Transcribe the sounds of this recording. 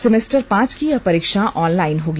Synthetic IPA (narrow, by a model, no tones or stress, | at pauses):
sɪmesʈəɾpãːt͡ʃkiɐpɐɾiːkʃaʔɔːnlaːɪnɦoːɡi